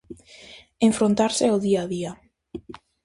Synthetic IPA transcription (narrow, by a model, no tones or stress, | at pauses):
eɱfɾont̪aɾsealˠðiaðia